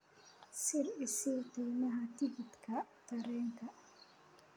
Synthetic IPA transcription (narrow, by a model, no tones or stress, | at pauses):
sɪrɪsit̪ʰɛːnɐɦɐt̪ʰɪɡɪt̪kʰɐt̪ʰɐɾɛːŋkʰɐ